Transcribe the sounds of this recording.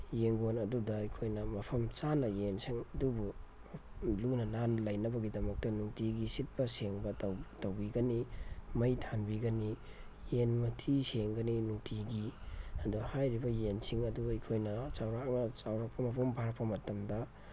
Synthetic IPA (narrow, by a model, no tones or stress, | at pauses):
jeŋɡonɐdudɐɐjkʰojnɐmɐpʰɐmt͡ʃanɐjensiŋɐdubu | lunɐnanlɐjnɐbɐɡidɐmɐk̚tɐnuŋtiɡisit̚pɐseŋbɐtwtɐwbiɡɐnimɐjtʰanbiɡɐni | jenmɐtʰiseŋɡɐninuŋtʰiɡiɐduhajɾibɐjensiŋɐduɐjkʰojnɐt͡ʃawɾakmɐt͡ʃawɾak̚pʰɐmɐpʰumbʱaɾpːɐmɐtɐmdɐ